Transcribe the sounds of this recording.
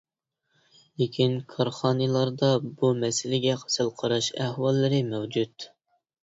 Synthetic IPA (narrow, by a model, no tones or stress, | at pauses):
lekʲʰinkʰɑɾχɑːnɨlˠɑɾd̪ɑbumɛsɪlɪɡʲɛqʰə̥sɨlˠqʰɑɾɑʃæhwɑlˠːɨɾɪmɛwd͡ʒut̪